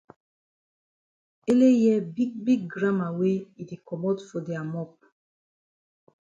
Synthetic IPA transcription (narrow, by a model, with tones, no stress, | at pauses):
e˦le˦jɛ˦bi˦k̚bi˦k̚ɡɾã˦ma˨we˦i˨di˨kɔ˨mɔ˦d̪fo˨d̪e˨a˨mɔ˦p̚